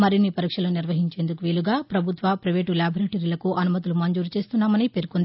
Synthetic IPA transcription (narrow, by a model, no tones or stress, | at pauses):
mɐɾinːipɐɾiːkʂɐloːniɾʋɐɦiɲt͡ʃe̞ːnd̪ukuʋiːluɡaːpɾɐbʱut̪ʋɐpɾɐʋeːʈuljaːbʱɐɾeːʈɐɾiːlɐkuʔɐnumɐt̪̬ilumɐɲd͡ʒuːɾt͡ʃe̞ːst̪unːaːmɐnipe̞ɾukund̪i